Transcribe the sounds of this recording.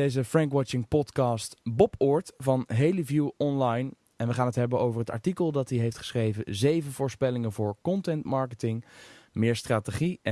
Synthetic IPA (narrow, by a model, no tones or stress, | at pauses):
ejzəfrɛŋkwɑt͡ʃɪŋpɔtkɑːstbɔpʊːɹtvɑnɦejlivjuɔnlɑjn | ɛnʋəχaːnətɦɛbənowvəɹɦətɑ̰ɹtikəlˠdɑtdiɦejftχə̥sχrejvənzejvənvʊːɹspɛlɪŋənvʊːɹkɔntɛntmɑɹkətɪŋmɪːɹstraːteχi